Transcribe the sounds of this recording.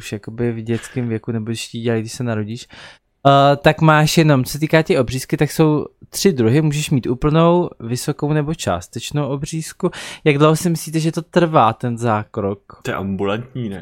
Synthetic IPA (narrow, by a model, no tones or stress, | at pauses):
uʃjako̞bɪvɟɛt͡skɪmvjɛkunɛbodɪʃciːɟɛlajɡdɪʃsɛnaɾoɟiːʃ | t̪akmaːʃjɛno̞mt͡sosɛt̪iːkaːt̪ɛʔo̞br̝iːskɪt̪akso̞wt̪r̝̥ɪd̪ɾuɦɪmuːʒɛʃmiːt̪ʔuːpl̩no̞wvɪso̞ko̞wnɛbo̞t͡ʃa̰ːst̪ɛt͡ʃnowʔo̞br̝iːskujaɡdlowɦosɪmɪsliːt̪ɛʒɛt̪o̞t̪r̩vaːt̪ɛnzaːkɾok̪jɛ̰ʔambulant̪ɲiːnɛ